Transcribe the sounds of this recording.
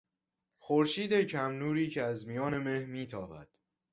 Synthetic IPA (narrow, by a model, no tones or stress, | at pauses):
xoɾʃiːd̪e̞cʰæmnuːɾiːcʰeæzmijɒːne̞mehmiːt̪ʰɒːbæ̰d̪̥